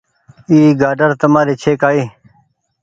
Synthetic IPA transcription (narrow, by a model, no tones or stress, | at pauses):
iːɡaːɖəɾt̪əmaːɾeːt͡ɕʰeːkaːiː